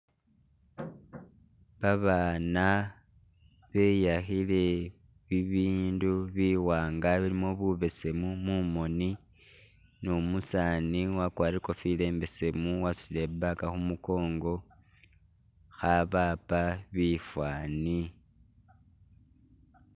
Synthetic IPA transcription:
βaβana | βe̞jaxile̞ | βiβiːnduβiwaːŋɡaβilimo̞βuβe̞se̞mumumo̞ni | nomusaːniwakwaːɾiko̞file̞ːmbe̞se̞muwasile̞bakaxumuko̞ːŋɡo̞ | xaβapaβifwaːni

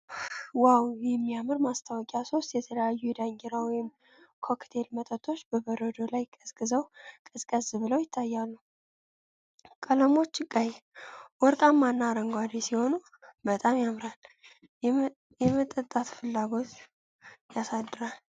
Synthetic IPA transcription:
wawjɛmːijamɨɾmast̪ʰawɔkʼaso̞st̪jɛt̪ʰələjajːujɛd̪aŋɡɛɾawijɪm | kʰo̞kt̪ʰe̞lmət̪ʼət̪ʰʼo̞t͡ʃːbəbəɾəd̪o̞lajkʼəskʼɨzəwkʼɨskʼəzbɨləwjɪt̪ʰːajːalːu | kʼələmo̞t͡ʃːkʼajwɔɾkʼamːanːaɾəŋɡʷad̪esiho̞nu | bət̪ʼamjamɾal | jɛmət̪ʼət̪ʼːat̪fɨlːaɡo̞t̪ | jasad̪ːɨɾal

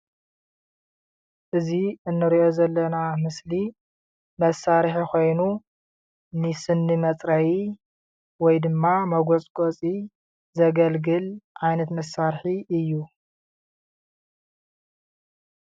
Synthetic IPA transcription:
ʔɨziɨnːɨɾiʔo̞zɐlːɐnamɨsli | mɐsːaɾħiko̞jnu | nɨsɨnːimɐt͡sʼɾawi | wɔjd̪ɨmːamɐɡot͡sʼkʼot͡sʼi | zɐɡɐlɡɨlʕajnɐt̪mɐsːaɾħiɨjːu

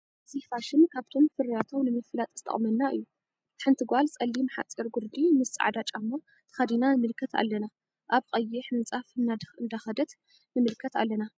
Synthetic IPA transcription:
zihfaʃɪnkʰaβt̪ʰo̞mfɨɾat̪ʰo̞mnɨmɨfɨlat̪ʼzɨt̪ʰʼɐ̰χʼmɐnːaʔɨ̰jːu | t̪ʰħɨnt̪ʰɨɡʷalsʼɐlːimħa̰t͡sʼiɾɡʊɾd̪imɨsa̰ʕd̪at͡ʃʼamːo | t̪ʰɨ̥xɐd̪inanɨmɨlkʰːɐt̪ʰa̰lːɐna | ʔaβqʼɐjːɪħnɨt͡sʼafɨnːad̪ɨnd̪axɐd̪ɐt̪ | nɨmɨlkʰːɐt̪a̰lːɐna

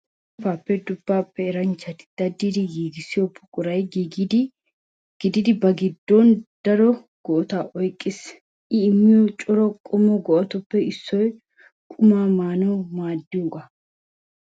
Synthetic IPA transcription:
faːpːɛd̪ʊbːaːpːɛɛɾɐnt͡ʃːɐt̪ɪ̥d̪̥ɐd̪ːid̪ɪɡiːɡɪsɪjɔpːʊ̥kʼʊɾɐjɡiɡd̪ɪ | ɡ̥ɪd̪ɪd̪ɪbɐɡɪd̪ːɔnd̪̥ɐɾɔ | ɡ̥ɔʔɔt̪aːʔɔjkʼːɪs | ʔɪːmːɪjɔt͡ʃʼɔɾɔkʼɔmɔɡɔʔɔt̪ɔpːɛɪsːɔj | kʼʊmaːmaːnɔmaːd̪ːɪʊkʼɐ

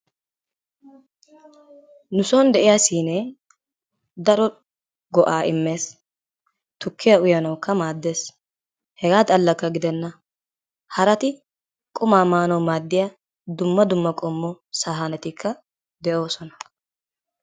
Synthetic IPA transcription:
nʊsoːnd̪ɛʔɪjaːsiːne | d̪ɐɾɔ | ɡɔʔaːʔɪmːe̞ːs | t̪ʊkːɪjɐʊjɐnɐwkːɐmaːd̪ːe̞ːs | hɛɡaːt̪ʼɐlːɐkːɐɡɪd̪ɛnːɐ | hɐɾɐt̪ɪ | kʼʊmaːmaːnɐwmaːd̪ːɪja | d̪ʊmːɐd̪ʊmːɐkʼɔmːɔsaːɦɐnɛt̪ɪkʰːɐ | d̪ɛʔo̞ːsɔnɐ̥

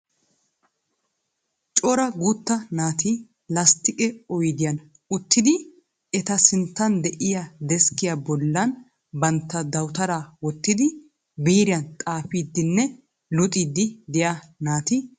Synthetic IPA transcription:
t͡ʃʼɔɾɐɡuːt̪ːɐnaːt̪ʰi | lɐst̪ɪkʼɛɔjd̪ɪjɐn | ʊt̪ːɪd̪ɪ | ɛt̪ɐsɪnt̪ːɐnd̪ɛʔɪjad̪ɛskːɪjabɔlːɐn | bɐnt̪ːɐd̪ɐwt̪ɐɾaːwɔt̪ːɪd̪ɪ | biːɾɪjɐnt̪ʼaːfiːd̪ːɪnːɛ | lʊt̪ʼiːd̪ːɪd̪ɪja | naːt̪i

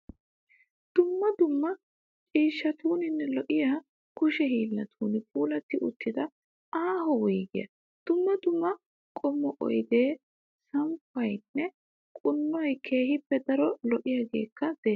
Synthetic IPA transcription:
d̪̥ʊmːɐd̪ʊmːɐ | t͡ʃʼiːʃːɐt̪ʰuːnɪnːɛlɔʔɪjaː | kʊʃɛɦiːlːɐt̪ʰuːnɪpʰʼuːlɐt̪ːɪʔʊ̰t̪ːɪd̪ɐ | aːɦɔwɔjɡɪjɐ̰ | d̪̥ʊmːɐd̪ʊmːɐ | kʼɔmːɔʔɔ̰jd̪e̞ː | sɐmpːɐjnːɛ | kʼʊnːɔjkʰe̞ːhɪpːɛd̪ɐɾɔlɔʔɪjaːɡe̞̰ːkːɐd̪̥ɛ

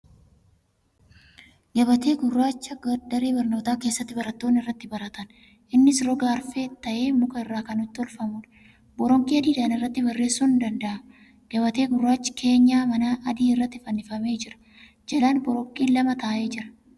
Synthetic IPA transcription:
ɡɐbɐt̪e̞ːɡʊrːaːt͡ʃːɐɡɐd̪ɐɾeːbɐɾno̞ːt̪aːke̞ːsːɐt̪ːɪbɐɾɐt̪ːo̞ːnːɪrːɐt̪ːɪbɐɾɐt̪ɐn | ʔɪnːɪsɾɔɡaːɾfe̞ːt̪ːɐʔe̞ːmʊkʼɐɪrːaːkɐnʊt̪ːɪɔlfɐmuːᶑ | bɔɾɔŋkʼiːɐd̪iːd̪ɐnɪrːɐt̪ːɪbɐrːe̞ːsːuːnd̪ɐnd̪ɐʔɐ | ɡ̥ɐβɐt̪e̞ːɡʊrːaːt͡ʃːɪ̥kʰe̞ːɲːaːmɐnaʔɐd̪iːɪrːɐt̪ːɪfɐnːɪfɐme̞ːd͡ʒɪɾɐ̥ | d͡ʒɐlaːnbɔɾɔŋkʼiːlɐmɐt̪aːʔeːd͡ʒɪɾɐ̥

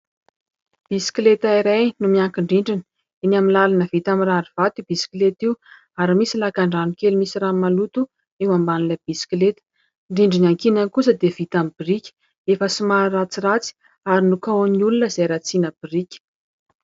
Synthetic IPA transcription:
b̥isklet̪aiɾajnumiaŋkiɳɖ͡ʐiɳɖ͡ʐin | enaminlalanəvit̪amiraɾiv̥at̪ib̥isi̥kilet̪iu | aɾimisilakaɳɖ͡ʐanikelumisiramalut̪u | ewambanilab̥isi̥klet̪ə̥ | ɳɖ͡ʐiɳɖ͡ʐinaŋkinankusəd̪ev̥it̪amibirikʲ | efəsimarat͡sirat͡si̥ | aɾinukawniulunəzajɾat͡sinəb̥irikʲə̥

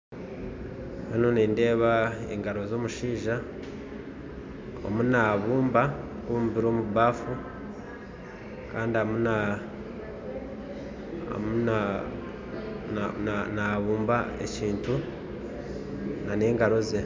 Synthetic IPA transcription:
hano̞niːnde̞ːβaḛŋɡaɾo̞zo̞ːmuʃiːʒa | o̰munaːβuːmba | komuβiɾo̞ːmuβaːfu | kaːndiamuna | mua | naβuːmbaḛciːntu | naneːŋɡaɾo̞ze

